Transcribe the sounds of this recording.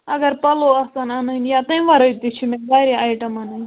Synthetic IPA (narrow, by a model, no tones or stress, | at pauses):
ɐɡɐɾpɐloɐsɐnanɐnijat̪ɐ̃ʋɐɾɐt̪it͡ʃʰimebaːɾiaːjʈɐmɐnɐn